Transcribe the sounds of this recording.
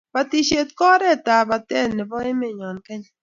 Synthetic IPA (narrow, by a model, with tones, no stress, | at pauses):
ba˨ti˨ʃe˨t̪̚kɔ˦ɾɛ˦˨ta˨ba˨tɛ˦˨nɪ˨bɔ˦e˦me˨ɲɔ˨nkɛ˦ɲ